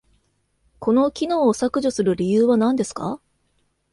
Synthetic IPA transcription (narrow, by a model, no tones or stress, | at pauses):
ko̞no̞kʲino̞ːsakɯ̟ʑosɨɾɯ̟ɾʲijɯːβanãnd̪e̞sɨ̥ka̰